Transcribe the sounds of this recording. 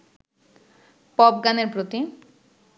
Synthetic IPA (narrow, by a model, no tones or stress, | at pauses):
pɔb̚ɡaneɾpɾot̪i